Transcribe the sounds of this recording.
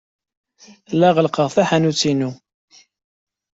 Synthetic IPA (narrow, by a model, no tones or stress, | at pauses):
lːæʁəlqəʁθæħænut͡sːinu